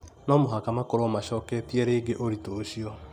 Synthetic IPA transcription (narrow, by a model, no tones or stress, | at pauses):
nɔmoɦakamakoɾomaʃɔːkɛtiɛɾeːɡeʔoɾitoʃiɔ